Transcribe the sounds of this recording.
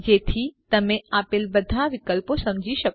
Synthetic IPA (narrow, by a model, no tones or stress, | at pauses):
jet̪ʰit̪ɐmẽaːpelbɐd̪ʱaʋɪkəlposɐ̃md͡ʑʱiʃɐk